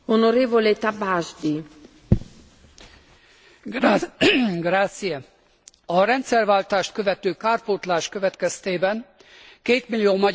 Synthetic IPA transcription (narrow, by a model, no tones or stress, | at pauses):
onoɾeːvolet̪abazd̪i | ɡraːt̪sijɛ | ɒɾɛnt̪sɛrvaːlt̪aːʃt̪køvɛt̪øːkaːrpoːt̪laːʃkøvɛt̪kɛst̪eːbɛŋ | keːt̪milːioːmɒ